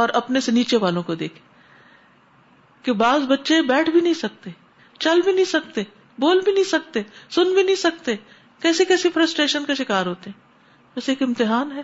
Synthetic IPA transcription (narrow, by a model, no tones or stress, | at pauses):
ɔːɾɐpneseniːt͡ʃeʋaːlõkod̪ḛːkʰe̥ | kebaːzbɐtːʃebɛːʈʰbʱinɐɦĩsɐk̚t̪e | t͡ʃɐlbʱinɐĩsɐk̚t̪e | boːlbʱinɐɦĩsɐk̚t̪esʊnbʱinɐɦĩsɐk̚t̪e | kɛːsekɛːsifɾɐsʈɾeːʃənkaʃɪkaːɾɦoːt̪eɦɛ̃ː | ʋɛːseːkɪ̃mt̪ɪɦaːnɦɛː